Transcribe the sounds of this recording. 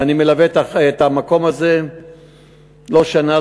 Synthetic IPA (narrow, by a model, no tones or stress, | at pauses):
animelavet̪aet̪amako̞maze | lo̞ʃana